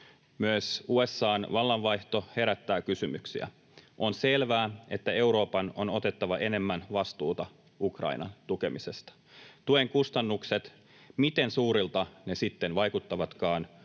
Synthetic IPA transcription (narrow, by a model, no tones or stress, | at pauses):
myøsue̞sːɑːnʋɑlːɑnʋɑjht̪o̞he̞ɾæt̪ːæːkysymyksḭæ̰ | ʔo̞nse̞lʋæːe̞t̪ːæe̞wɾo̞ːpɑno̞no̞t̪e̞t̪ːɑʋɑʔe̞ne̞mːænʋɑst̪uːt̪ɑ | ukrɑ̰inɑ̰nt̪uke̞mise̞st̪ɑ̥ | t̪ue̞ŋkust̪ɑnːukset̪ | mit̪e̞nsuːɾilt̪ɑne̞sit̪ːenʋɑjkut̪ːɑʋɑt̪kɑːn